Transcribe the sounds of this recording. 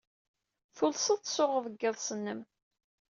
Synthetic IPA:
θʊlsətsʊʁəðəɡːəðˤsənːəm

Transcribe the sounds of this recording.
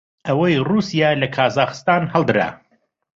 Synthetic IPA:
ʔɐwɐjruːsijaːlɐkʰaːzaːxɨ̥st̪aːnhɛlˠd̪ɨɾa̰ː

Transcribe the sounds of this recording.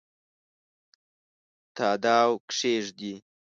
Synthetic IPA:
t̪ɑːd̪ɑːwkʂeʐd̪i

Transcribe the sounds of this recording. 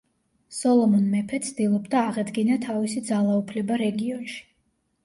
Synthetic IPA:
sɔlˠɔmɔnmɛpʰɛt̪sʰd̪ilˠɔbd̪aːʁɛd̪ɡinat̪ʰavisid̪zalˠaupʰlɛbaɾɛɡiɔnʃi̥

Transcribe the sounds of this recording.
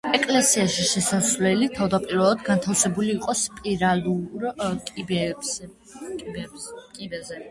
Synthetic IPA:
ɛkʼlɛsiaʃiʃɛsasvlɛlit̪ʰavd̪apʼiɾvɛlˠad̪ɡant̪ʰafsɛbuliːqʼɔspʼiɾaluɾkʼibɛ | ikʼibɛzɛ

